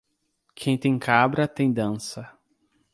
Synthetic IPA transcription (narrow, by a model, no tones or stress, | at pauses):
kʰẽj̃t̪ẽj̃kʰabɾɐt̪ẽj̃d̪ɐ̃sɐ